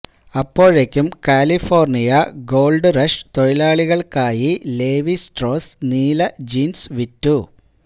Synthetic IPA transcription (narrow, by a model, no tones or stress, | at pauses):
ɐpːo̞ːɻekʲːumkaːlifo̞ːrnijɐɡo̞ːlɖɨrɐʂt̪o̞ɻilaːɭiɣɐɭkaːjile̞ːʋisʈro̞ːsniːlɐd͡ʑiːnsʋitːu